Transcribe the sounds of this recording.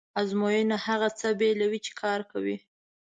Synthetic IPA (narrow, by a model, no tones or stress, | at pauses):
azmojənahaɣat͡səbelawit͡ʃe̥kʰɑɾkawi